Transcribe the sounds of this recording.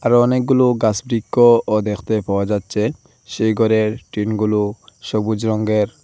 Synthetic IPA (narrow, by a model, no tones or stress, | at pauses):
aɾɔnek̚ɡuluɡasbɾikːood̪ekʰt̪epaad͡ʑatːʃʰe | ʃejɡɔɾeɾʈɾinɡuluʃobud͡ʒɾɔŋɡeɾ